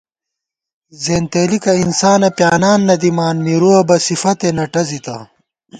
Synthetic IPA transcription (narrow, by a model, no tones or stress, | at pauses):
zeːnt̪eːlikɐinsaːnɐpjaːnaːnːɐd̪imaːnmiɾuɐbɐsifɐt̪enɐʈɐzit̪ɐ̰